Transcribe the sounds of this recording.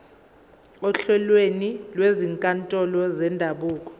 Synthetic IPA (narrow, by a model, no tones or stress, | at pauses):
ɔɬɛlwenilweziŋkʼantʼɔlɔzɛndʱaɓuːk̬ʼɔ̥